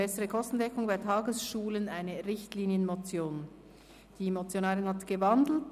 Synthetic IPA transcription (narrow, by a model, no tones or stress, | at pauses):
ɛsəʁəkʰɔstn̩dɛkʊŋbaɪtʰɑːɡəsʃuːlənaɪnəʁɪçtliːnjənmot͡sjoːn | d̥imot͡sjonaːʁɪnhatɡ̥əvandl̩t